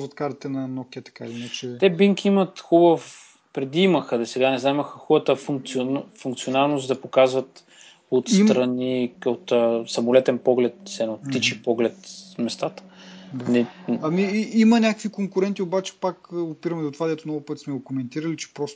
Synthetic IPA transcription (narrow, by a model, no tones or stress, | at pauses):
zvɐt̪kaɾt̪ət̪ɛnɐnɔkʲiət̪ɐ̥kailinat͡ʃɛt̪ɛbiŋk̟ʲiimət̪xubəf | pɾɛd̪iiməxəd̪ɐsɛɡanɛznamiməxəxɔbət̪əfuŋk̚t̪sionfuŋkt̪sionalˠnost̪d̪ɐpokazvɐt̪ | ot̪st̪ɾɐniot̪əsɐmolɛt̪ɛnpɔɡlɛt̪̚sɛnot̪ːit͡ʃipɔɡlɛt̪mɛst̪at̪ə̥d̪anɛɐmiimɐnʲakə̥kvikoŋkʊɾɛnt̪iobat͡ʃɛ̥pakopiɾɐmɛd̪ot̪ovad̪ɛt̪ʊnɔvʊpət̪smɛɡokomɛnt̪iɾəlit͡ʃɛ̥pɾɔst̪